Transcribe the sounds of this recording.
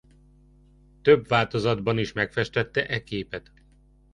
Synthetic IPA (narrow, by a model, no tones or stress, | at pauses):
t̪øbʋaːlt̪o̞zɒd̪bɒniʃmɛkfɛʃt̪ɛt̪ːɛʔɛkeːpɛt̪